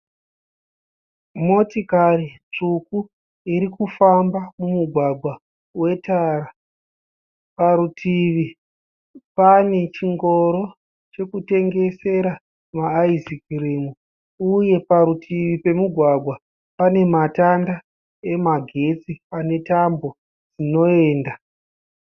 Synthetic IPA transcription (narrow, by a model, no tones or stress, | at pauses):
mo̞tikari | t͡ʂuku | iɾikufambamumuɡʱwaɡʱwa | we̞taɾa | paɾutʰiʋi | pane̞t͡ʃiŋɡo̞ɾo̞ | t͡ʃe̞kute̞ŋɡe̞se̞ɾa | maːizikirimu | uje̞paɾutʰiʋipe̞muɡʱwaɡʱwa | pane̞matanda | e̞maɡʱe̞t͡siane̞tambo̞ | d͡zino̞e̞ːnda